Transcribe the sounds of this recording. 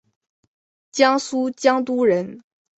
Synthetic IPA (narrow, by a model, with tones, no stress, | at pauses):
t͡ɕjɑ˥ŋsu˥t͡ɕjɑ˥ŋt̪u˥ɻə˧˥n